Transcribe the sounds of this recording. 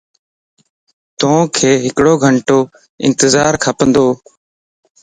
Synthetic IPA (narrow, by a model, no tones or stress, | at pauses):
t̪õːkʰeːɦɪkɽoːɡʱəɳʈoː | ɪ̰̃nt̪əzaːɾkʰəpə̃nd̪oː